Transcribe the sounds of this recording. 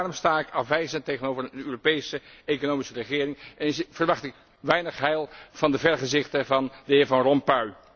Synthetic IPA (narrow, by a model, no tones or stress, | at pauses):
ɑrmstaːkɑfʋɛjzəntejχənowvərənøːropejsəejkonowmisərəχɪːrɪŋɛnvərʋɑχtɪk | ʋɛjnəχɦɛjlˠv̥ɑndəvɛɹχəzɪχtəvɑndəɦɪːɹvɑnrɔmpœɥ